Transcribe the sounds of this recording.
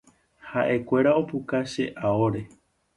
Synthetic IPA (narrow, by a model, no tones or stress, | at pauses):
haʔe̞kʷe̞ɾao̞pukaʃe̞ʔao̞ɾe̞